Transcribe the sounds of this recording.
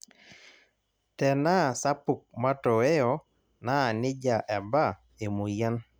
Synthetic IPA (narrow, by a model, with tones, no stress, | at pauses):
tɛ˨na˦˨sa˦pu˨k̚ma˦tɔ˨e˦jɔ˨ | na˦˨nɪ˦d͡ʒa˨ʔɛ˨ba˦˨ | e˨mu˨ja˦n